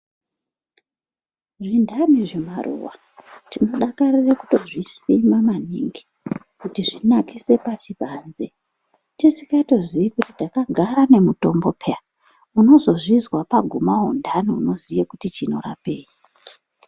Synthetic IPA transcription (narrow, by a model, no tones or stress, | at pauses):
ʐindaniʐemarṵwa̰ | tino̞ɗakarireku̥to̞ʐisimamaniŋɡi | kutiʐinakise̞pat͡ʃipaːnze | tisikato̞zijikutitakaɡʱaɾane̞muto̞mbo̞pʰea | uno̞zo̞ʐizwapaɡʱumaɦondʱaniuno̞zijekutit͡ʃino̞ra̰peːi